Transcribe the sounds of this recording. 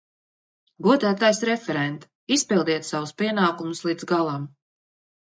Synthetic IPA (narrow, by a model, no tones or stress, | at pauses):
ɡuɔd̪æːt̪ajsɾɛfɛɾɛnt̪ | ispilˠd̪iɛt̪savuspiɛnaːkumuslˠiːd̪zɡalˠam